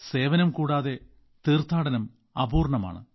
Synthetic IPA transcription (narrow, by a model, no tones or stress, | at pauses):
se̞ːʋɐnɐmkuːɽaːðe̞ | t̪iːrt̪ʰaːɽɐnɐm | ɐbuːrɳɐma̰ːɳɨ̰